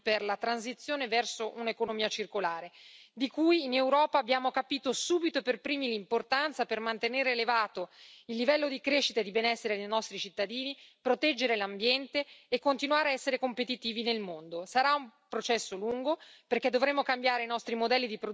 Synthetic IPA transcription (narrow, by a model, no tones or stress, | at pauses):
perlat̪ɾans̬it̪sːjoːnevɛrsoʔunekonomiːat͡ʃirkolaːɾed̪ikujːnewɾɔːpaːbjaːmokapiːt̪osuːbit̪operpɾiːmilimport̪ant̪sapermant̪eneːɾeːlevaːt̪oilːivɛlːod̪ikɾeʃːit̪aed̪ibenɛsːeɾed̪ejnɔst̪ɾit͡ʃit̪ːad̪iːnipɾot̪ɛd͡ʒːeɾelambjɛnt̪eːkːont̪inwaːɾeaɛsːeɾekompet̪it̪iːvinelmond̪osaɾaumpɾot͡ʃɛsːoluŋɡoperked̪ːovɾemːokambjaːɾeinɔst̪ɾimod̪ɛlːid̪ipɾo